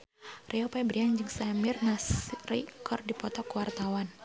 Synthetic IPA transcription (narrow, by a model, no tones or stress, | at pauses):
rʔiɔpabɾiand͡ʒɨŋsamirnasrikʰɔrdipɔt̪ɔkwart̪awan